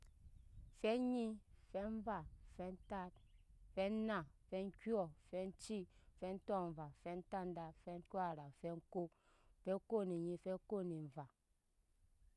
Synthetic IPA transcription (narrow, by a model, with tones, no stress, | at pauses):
fɛ˦ɲi˦fɛ˦ɱ˦va˦˨fɛ˦n̩˦ta˦t̚fɛ˦na˨fɛ˦ŋ̩˦kjɔ˦˨fɛ˦n̩˦t͡ʃi˦˨fɛ˦n̩˦tɔ˦m̩˨va˨fɛ˦n̩˦ta˦n̩˦da˨fɛ˦ŋ̩˦ka˦˨ɾa˨fɛ˦ŋ̩˦ko˦˨ | fɛ˦ko˦ni˨ɲi˦˨fɛ˦ko˦ni˨ɱ̩˨va˨